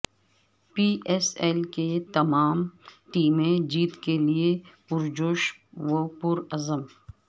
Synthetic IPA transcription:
piːʔeselket̪ɐmaːmʈiːmẽd͡ʒiːt̪keliepʊɾd͡ʒoːʃwopʊɾɐzəm

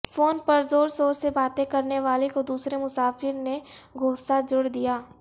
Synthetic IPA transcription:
foːnpɐɾzoːɾzoːɾsebaːt̪ẽkɐɾneʋaːlekod̪uːsɾemʊsaːfɪɾneɡʱoːsad͡ʒʊɽd̪ijaː

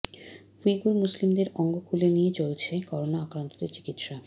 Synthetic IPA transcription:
fiɡuɾmuslimd̪eɾɔŋɡokulenijet͡ɕolt͡ɕʰekɔɾonaakɾant̪od̪eɾt͡ɕi̥kit̪ʃa

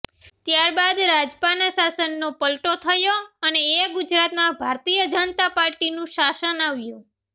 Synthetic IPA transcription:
t̪jaɾbad̪ɾad͡ʒpanəsasənːopəlʈot̪ʰəjoəneeɡʊd͡ʒɾat̪mãbʱaɾt̪ijəd͡ʒənt̪apaɾʈinũʃasənaʋjũ

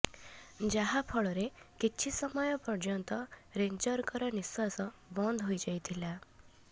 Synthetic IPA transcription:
d͡ʒaɦapʰɔɭɔɾekit͡ʃʰisɔmɔjɔpɔɾd͡ʒɔnt̪ɔɾeɲd͡ʒɔɾkɔɾɔniswasɔbɔnd̪ʱɦojd͡ʒajt̪ʰila

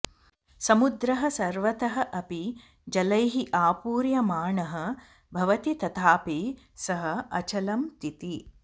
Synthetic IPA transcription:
sɐmud̪ɾɐɦɐ̆sɐɾʋɐt̪ɐɦɐ̆ʔɐpi | d͡ʒɐlɐjɦiʔaːpuːɾjɐmaːɳɐɦɐ̆ | bʱɐʋɐt̪it̪ɐt̪ʰaːpi | sɐɦɐ̆ɐt͡ʃɐlɐmt̪it̪i

